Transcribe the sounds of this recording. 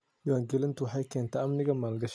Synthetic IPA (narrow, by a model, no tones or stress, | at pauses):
jʊwaːŋɡɛlɪnt̪ʰʊwħɑjkʰɛːnt̪ʰɛɐmnɪɣɐmaːlɡɐʃ